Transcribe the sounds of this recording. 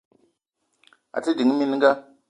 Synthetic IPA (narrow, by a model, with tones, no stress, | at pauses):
a̰˨ti˦di˨˦ŋ˦mi˦n˦ŋɡa˦